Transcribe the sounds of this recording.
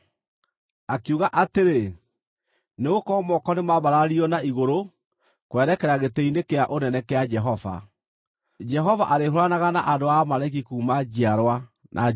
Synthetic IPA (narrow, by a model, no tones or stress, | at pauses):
akiuɣaʔateɾe | neɣokɔmɔkɔnemaβaɾaɾiɔnaiɣoɾo | kwɛɾɛkɛɾaɣetɛinekeaʔonɛnɛkead͡ʒɛɦɔva̰ | d͡ʒɛɦɔva̰ʔaɾeɦoɾanaɣanaʔandoamaɾaik̬ikuːmad͡ʑiaɾwa | nʔa̰